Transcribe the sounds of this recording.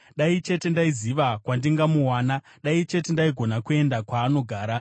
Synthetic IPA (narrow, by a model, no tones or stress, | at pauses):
ɗait͡ʃe̞te̞ndaiziʋakwandiŋɡamuwaːna | ɗait͡ʃe̞te̞ndaiɡʱo̞nakue̞ndakwaːno̞ɡʱaːɾa